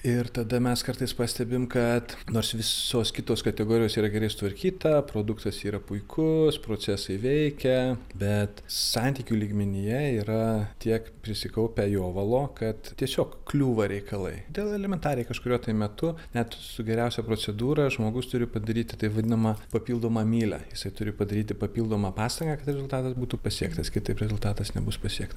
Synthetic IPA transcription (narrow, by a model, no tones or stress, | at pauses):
ɪrt̪ɐd̪ɐmʲɛskɐrt̪ɐɪspɑːsʲt̪ʲɛbʲɪmkɐt̪noːrsʋʲɪsoːskʲɪt̪oːskɐt̪ʲɛɡoːɾʲɪjoːsiːɾɐɡʲɛɾɐɪsʊ̥t̪ʋɐɾʲkʲiːt̪ɐpɾoːd̪ʊkt̪ɐsiːɾɐpʊɪkʰʊspɾoːt͡s̪ʲæːsɐɪʋʲɛɪkʲɛbʲɛt̪sɐnʲt̪ʲiːkʲuːlʲiːɡmʲɪnʲɪjɛiːɾɐt̪ʲiɛkpʲɾʲɪsʲɪkɐʊpʲɛjoːʋɐlˠoːkɐt̪t̪ʲiɛsʲoːkklʲuːʋɐɾʲɛɪkɐlˠɐ̰ɪd̪ʲeːlˠɛlʲɛmʲɛnt̪ɑːɾʲɪjɛɪkɐʃkʊɾʲuɔt̪ɐɪmʲɛt̪ʊnʲɛt̪sʊɡʲɛɾʲɛʊsʲɛpɾoːt͡s̪ʲɛd̪uːɾɐʒmoːɡʊst̪ʊɾʲɪpɐd̪ɐɾʲiːt̪ʲɪt̪ɐɪʋɐd̪ʲɪnɐmɐpɐpʲiːlˠd̪oːmɑːmʲiːlʲæ̰ːjɪsɐɪt̪ʊɾʲɪpɐd̪ɐɾʲiːt̪ʲɪpɐpʲiːlˠd̪oːmɑːpɑːst̪ɐŋɡɑːkɐt̪ɾʲɛzʊlˠt̪ɑːt̪ɐsbuːt̪upɐsʲiɛkt̪ɐskʲɪt̪ɐɪpɾʲɛzʊlˠt̪ɑːt̪ɐsnʲɛ̰bʊspɐsʲiɛkt̪ɐ